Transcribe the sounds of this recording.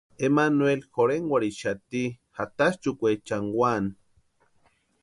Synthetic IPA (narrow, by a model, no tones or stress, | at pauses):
emanwelxoɾeŋwʷaɾiʃat̪ihat̪ast͡ʃukʷet͡ʃaŋwan